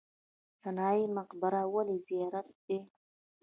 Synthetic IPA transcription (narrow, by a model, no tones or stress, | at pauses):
sanɑimaqbaɾawalizijɑɾat̪̚d̪e